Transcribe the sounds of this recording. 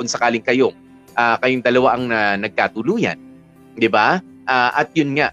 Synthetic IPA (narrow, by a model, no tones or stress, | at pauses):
ʊnsɐkaːlɪŋkɐjo | ʔakɐjoŋd̪ɐlɐwaʔɐŋnɐnɐɡ̚kaːt̪ʊluːjɐ̰n | d̪ɪba | ʔaːʔɐt̪̚jʊnŋaʔ